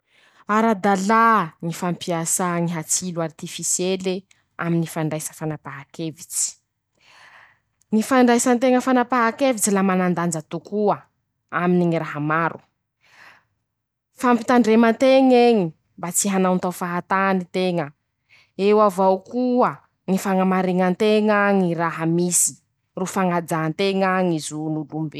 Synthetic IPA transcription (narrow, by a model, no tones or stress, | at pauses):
aɾad̪alaŋifampiasaŋiɦat͡siluart̪ifisjele | a̰minifaɳɖ͡ʐajsə̥fanapaɦakevit͡si̥ | ŋifaɳɖ͡ʐajsant̪eŋəfanapaɦakevit͡silamanand̪and͡zat̪ukuə | aminiŋiɾaɦamaɾʔṵ | fampi̥t̪aɳɖ͡ʐemənt̪eŋeŋi | mbat͡siɦanawnt̪awfaɦat̪anit̪eŋə | ewavawkuə | ŋifaŋamaɾiŋant̪eŋaŋiɾaɦamisi̥ | rufaŋad͡zant̪eŋaŋizunulumbe